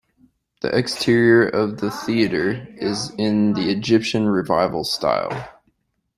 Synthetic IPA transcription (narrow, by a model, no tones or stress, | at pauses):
ðḭʔɛkstʰɪɹiə˞ʔʌvðɨθiɨɾə˞ɪzɪ̃nðiɨd͡ʒɪpʃɨ̃nɹɨva̰ɪvl̩ˠsta̰ɪlˠ